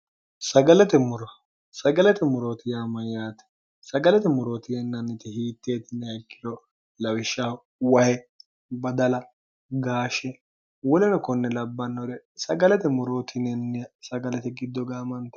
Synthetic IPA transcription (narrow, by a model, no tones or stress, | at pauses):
sɐɡɐlɛt̪ɛmʊɾɔ | sɐɡɐlɛt̪ɛmʊɾoːt̪ɪjaːmɐjaːt̪ɛ̥ | sɐɡɐlɛt̪ɛmʊɾoːt̪ɪjɛnːɐnːɪt̪ɛhiːt̪ːeːt̪ɪnːɛɐkːɪlɔ | lɐwɪʃːa | wɐhɛ | bɐd̪ɐlɐ | ɡaːʃɛ | wɔlɛnɐkɔnːɛlɐbːɐnːɔd̪ɛsɐɡɐlɛt̪ɛmʊɾoːt̪ʰɪnɛnːɪjɐsɐɡɐlɛt̪ɛɡɪd̪ːɔɡaːmɐnt̪ɐ